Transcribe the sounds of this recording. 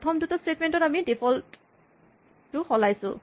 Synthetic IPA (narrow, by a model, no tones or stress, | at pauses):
ɔtʰɔmdutɔstetmɛntɔtamidipʰɔlt | ɹʊxɔlajsʊ̰̃